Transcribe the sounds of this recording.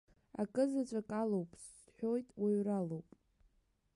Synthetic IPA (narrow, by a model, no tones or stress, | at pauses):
a̰kʼɨzat͡ʃʷʼakʼalowpʼs | ħʷᶣo̞jtʼwiɥralowpʼ